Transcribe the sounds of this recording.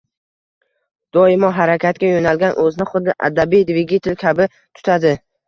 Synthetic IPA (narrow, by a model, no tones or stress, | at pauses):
d̪̥ɒɪmɒɦaɾakʲʰat̪̚kʲajonalɡʲanʔɵzɪnɪχʊd̪ːɪʔa̰d̪abijd̪vɪɡʲit̪ʰɪlkʲʰabɪ | t̪ʰʊ̥t̪ʰad̪ɪ